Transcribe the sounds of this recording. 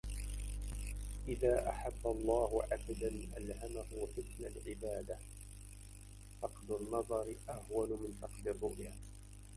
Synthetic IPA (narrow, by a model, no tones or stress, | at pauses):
ʔɪðaːʔa̰ħabːalˤːɑːhʊʕabd̪anʔa̰lhamahʊwafʊt̪nalʕɪbaːd̪a | fɑqd̪ʊnːɑðˤɑɾɪʔahwanʊmɪnfɑqd̪ɪrˤːʊʔjaː